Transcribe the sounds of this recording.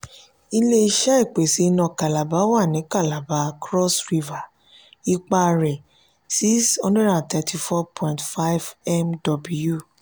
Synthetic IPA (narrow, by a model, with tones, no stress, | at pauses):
i˧le˦i˧ʃa˦i˦˨k͡pe˨si˨˧˦nɔ̃˧ka˨la˨ba˨˦wa˦˨nĩ˨˦ka˦˨la˨ba˨˦kɾɔ˦sɾi˧va˨ | i˧k͡pa˧ɾɛ˨ | si˦shɔ̃˦ndɛ˦dã˨n˨tɛ˧tʰi˧fɔ˦pʰɔ̃˦ĩntfa˦jvɛ˦mdɔ˧bu˧ju˦˨